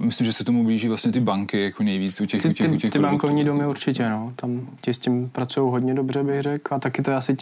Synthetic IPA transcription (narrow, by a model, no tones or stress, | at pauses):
mɪslimʒɛsɛkt̪omubliʒiːvlast̪ɲɛt̪ɪbaŋkɪjakonɛjviːt͡sucɛt̪ɪɪuɛt̪ɪbaŋkovɲiːdomɪuɾt͡ʃɪcɛno̞t̪amcɪscɪmpɾat͡sujowɦodɲɛdo̞brɛbɪɣrɛkat̪akɪt̪oɛasɪ